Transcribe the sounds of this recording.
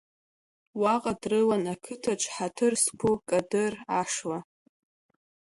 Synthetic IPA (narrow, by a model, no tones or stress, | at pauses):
waqʼadrɨlanakʰɨtʰat͡ʃʷʰʼħatʰɨrskʷʰukʼadɨraʂwa